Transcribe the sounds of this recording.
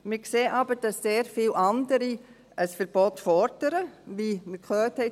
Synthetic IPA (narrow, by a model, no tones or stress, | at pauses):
mɪkseːʔɑbəɾd̥ɑsːeːɾfiːlʔɑndəɾi | ʔəsfəɾb̥ɔtfɔɾd̥əɾəʋiməkʰlœːtʰhɛ